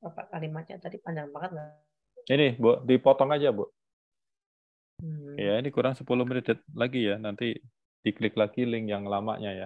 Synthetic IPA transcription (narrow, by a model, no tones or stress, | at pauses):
bapa̰kalimaɲa̰t̪adipaɲd͡ʒaŋbaŋət̪̚ɡa | inɪhbuaʔdipɔt̪ɔŋad͡ʒabuaʔ | kajainikuɾaŋsəpulʊhmədidɛt̪̚laɡijanant̪i | t̪iklɪklaɡilɪŋjaŋlama̰ʔɲaja